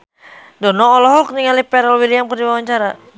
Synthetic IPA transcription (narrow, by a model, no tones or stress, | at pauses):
dɔnɔːlɔɦɔkniŋalipɛɾɛlwiliamkərdiwawaɲt͡ʃaɾa